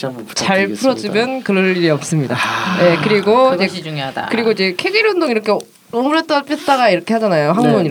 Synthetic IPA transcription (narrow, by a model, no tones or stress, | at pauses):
t͡ɕaɭpʰuɾʌd͡ʑimjʌnkɯɾʌnːiɾiʌp̚s͈ɯmɲidaje̞kɯɾiɡoid͡ʑḛkɯɾiɡoid͡ʑe̞kʰeɡiɾjondoŋiɾʌkʰe̞ | omuɾet͈ʌp͈it͈aɡaiɾʌkʰe̞had͡ʑanajoɦaŋɡoni